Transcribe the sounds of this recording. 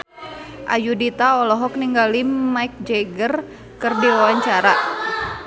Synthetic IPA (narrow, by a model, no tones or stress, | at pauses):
ʔa̰judit̪aɔlɔɦɔk̚niŋɡalimaik̚d͡ʒɛɡər | kɨrdiwawaɲt͡ʃaɾa